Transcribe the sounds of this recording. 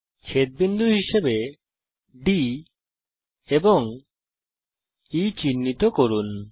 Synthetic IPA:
t͡ʃʰet̪̚bind̪ʱuɦiʃebe | ɖi | ebɔŋ | it͡ɕinːit̪okoɾun

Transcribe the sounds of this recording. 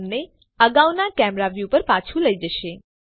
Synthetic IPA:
mne | əɡawnakɛmɾaʋjupəɾpat͡ʃʰuləid͡ʒəʃe

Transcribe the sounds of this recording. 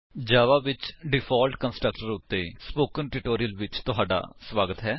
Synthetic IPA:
d͡ʒaːʋaːʋɪt͡ʃɖɪpʰaːlʈkənsʈɾək̚ʈəɾʊt̪ːeːspoːkənʈɪʈoːɾiəlʋɪt͡ʃt̪ʊɦaːɖa̰ːsʋaːɡət̪ɦɛː

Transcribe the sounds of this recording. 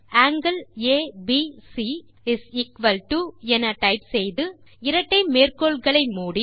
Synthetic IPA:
aːŋɡɐleːbisi | ɪsɪkʋɐlʈuɛnɐʈɐɪpsɛjðɯ | ɪɾɐʈːɐɪmeːrkoːɭɣɐɭɐɪmuːɽi

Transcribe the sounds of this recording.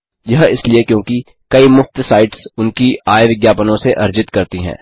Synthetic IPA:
jɐɦɪsliekjõːki | kɐimʊft̪saːɪʈsʊnkiaːjʋɪɡjaːpənõseʔɐɾd͡ʒɪt̪kɐɾt̪iɦɛ̰̃ː

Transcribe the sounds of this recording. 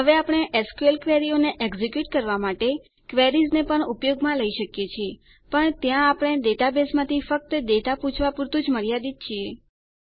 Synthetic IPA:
ɦəʋeapɳ̃eʔeskuelkʋeɾioneʔeɡzikjuʈkəɾʋamaʈe | kʋeɾiznepəɳupjoɡmãləiʃəkjet͡ʃʰie | pəɳt̪jãːpɳ̃ed̪eʈabesmãt̪ʰifək̚t̪əd̪eʈaput͡ʃʰʋapuɾt̪ũd͡ʒməɾjad̪it̪̚t͡ʃʰie

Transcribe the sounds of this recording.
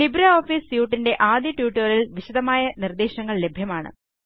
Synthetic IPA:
libɾɐoːfiːsjuːʈːinde̞ʔaːd̪jɐʈjuːʈːɐlilʋiɕɐd̪ɐmaːjɐnird̪eːɕɐŋːɐɭle̞bʱjɐmaːɳɨ̰

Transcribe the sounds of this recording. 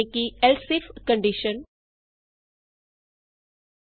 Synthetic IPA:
ekielsifkə̃ɳɖiʃən

